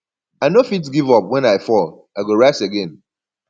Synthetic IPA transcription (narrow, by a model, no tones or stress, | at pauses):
aɪnofitsɡivɔpwɛ̃naɪfɔl | aɪɡoɹaɪseɡɛ̃n